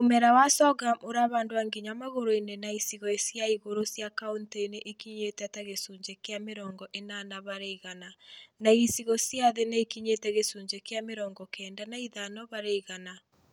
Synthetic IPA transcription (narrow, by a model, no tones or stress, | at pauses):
omɛɾawasɔɡamoɾaβaːndoaŋɡiɲamaɣoɾoinenaisiɣɔesjaiɣoɾosjakaunteineʔekiɲetɛtaɣesuɲd͡ʒekeameɾɔːŋɡɔʔenanaβaɾeiɣananaisiɣɔsjaðeneekiɲetɛɣesuɲd͡ʒekeameɾɔːŋɡɔkɛːndanaiðanɔβaɾeiɣana